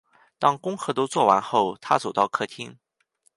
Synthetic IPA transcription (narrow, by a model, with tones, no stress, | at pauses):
t̪ɑ˥ŋkʊ˥ŋxɤ˧˥t̪o˥ʊt͡swɔ˥˩wa˧˥nxo˥˩ʊt̪ʰa̰˥t͡so˨˩t̪ɑ˥˧ʊkʰɤ˥˩t̪ʰi˥ŋ